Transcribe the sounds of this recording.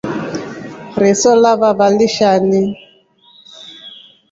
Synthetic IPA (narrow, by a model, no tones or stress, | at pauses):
ɾɪsɔlaβaβaliʃani